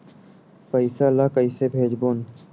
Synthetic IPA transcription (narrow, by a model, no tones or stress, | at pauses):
pəɪsalakəɪsebʱeːd͡ʒboːn